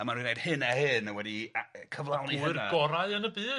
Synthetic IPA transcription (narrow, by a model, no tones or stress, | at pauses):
əmanɾwinejd̥hɨnahɨnəwɛdikʰəvlˠawnihrɡɔɾaɨənəbɨː